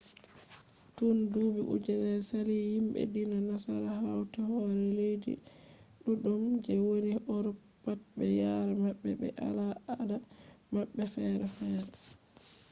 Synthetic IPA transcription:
tunduːbiʔṵd͡ʒɛnɛɾsalihimbɛ̰dinanasa̰ɾaɦawtahɔɾɛlejdḭ | ɗuɗɔmd͡ʒɛwoɾiɔɾɔ | pat̚bɛjaɾamaɓːɛbɛ̰ʔa̰laada | maɓːɛfɛɾɛfɛːɾɛ

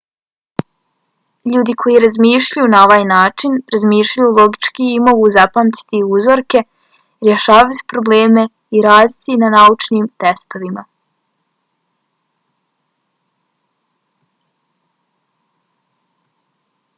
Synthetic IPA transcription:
ʎuːd̪ikʰo̞jiɾazmiːʃʎajunaoʋaːjnaːt͡ʃinɾazmiːʃʎajulˠo̞ɡit͡ʃkiːmo̞ɡuzapamt̪i̥t̪iuzo̞ɾke̞ | ɾjeʃaːʋat̪i̥pɾo̞bleːme̞ | iɾaːd̪it̪inanaut͡ʃniːmt̪est̪o̞ʋima

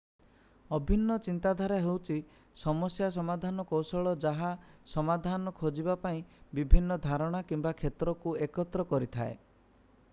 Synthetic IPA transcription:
ɔbʱinːɔt͡ʃint̪ad̪ʱaɾɔɦewt͡ʃʰi | sɔmɔsjas̬ɔmad̪ʱanɔkowsɔɭɔd͡ʒaɦasɔmad̪ʱanɔkʰod͡ʒibapaĩbibʱinːɔd̪ʱaɾɔɽ̃akimbakʰet̪ɾɔkuekɔt̪ɾɔkɔɾit̪ʰa̰e

